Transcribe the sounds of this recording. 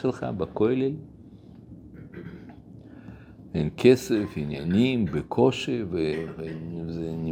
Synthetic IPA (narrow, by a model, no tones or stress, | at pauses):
elχa̰bakojlel | enkʰesefinja̰nimbekʰoʃevevezeni